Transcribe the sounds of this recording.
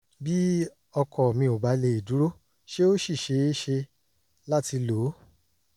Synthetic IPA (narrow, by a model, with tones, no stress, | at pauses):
bi˦ | ɔ˧kɔ˨mĩ˧o˨ba˨˦le˧i˨du˨˦ɾo˦ | ʃe˦o˦ʃi˦˨ʃe˧˦ʃe˧ | la˦ti˧lo˨˦